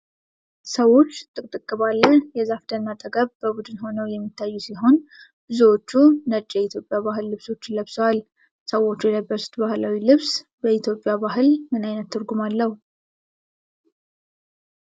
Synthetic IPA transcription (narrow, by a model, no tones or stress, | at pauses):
səwo̞t͡ʃːt̪ʼɨkʼt̪ʼɨkʼːɨβalːəjɛzafd̪ʰənːat̪ʼəɡʼəβbəbud̪ɨnho̞nəwjɛmːit̪ʰːajːusiɦo̞n | bɨzwot͡ʃːunət͡ʃʼːjɛit̪ʰjo̞pʼjaβaɦɨlːɨβso̞t͡ʃːləβswal | səwo̞t͡ʃːujɛləbːəsu̥t̪bahlawilɨβsbəit̪ʰjo̞pʼːjabaɦɨlmɨnajnət̪ʰːɨɾɡumalːəhu